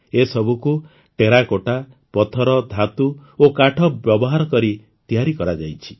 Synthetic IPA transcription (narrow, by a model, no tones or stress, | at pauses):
esɔbʱuku | ʈeɾakoʈa | pɔt̪ʰɔɾɔd̪ʱat̪uokaʈʰɔbjɔbɔɦaɾɔkɔɾi | t̪iaɾikɔɾad͡ʒajt͡ʃʰi̥